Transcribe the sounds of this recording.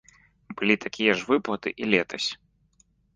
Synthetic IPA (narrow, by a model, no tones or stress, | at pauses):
bɨlʲit̪akʲijɐʐvɨplˠɐt̪ɨ̰ʔilʲɛt̪ʰɐsʲ